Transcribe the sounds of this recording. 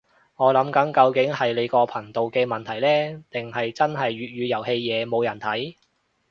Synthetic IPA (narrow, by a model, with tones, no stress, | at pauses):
ŋɔː˨˧lɐ˨˥mkɐ˨˥ŋkɐ˧wkɪ˨˥ŋhɐ˨jle˨˧jkɔː˧pʰɐ˨˩ŋt̪o˨wkɛː˧mɐ˨nt̪ʰɐ˨˩jlɛː˥t̪ɪ˨ŋhɐ˨jt͡sɐ˥nɦɐ˨jɥyː˨t̚ɥyː˨˧jɐ˨˩whe˧jːɛː˨˧mo˨˧wjɐ˨˩nt̪ʰɐ˨˥j